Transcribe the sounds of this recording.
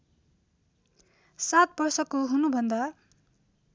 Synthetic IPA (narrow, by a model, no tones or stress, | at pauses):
sat̪̚bʌrsʌkoɦunubʱʌnd̪a